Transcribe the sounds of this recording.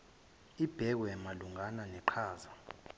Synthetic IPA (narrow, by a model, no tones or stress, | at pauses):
ib̥ʱɛk̬wɛmaluŋananɛǃʰaːza